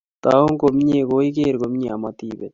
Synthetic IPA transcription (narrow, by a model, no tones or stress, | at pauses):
t̪aːoŋkomɲeɡoːikeːɾɡomɲiɐmɐt̪iːbḛ